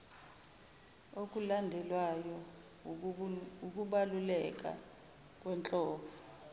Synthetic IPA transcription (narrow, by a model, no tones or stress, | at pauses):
ok̬ʼulandʱɛlwajɔ | uk̬ʼuɓalulɛk̬ʼa̰ | k̬ʼwɛnt͡ɬʼɔːɓɔ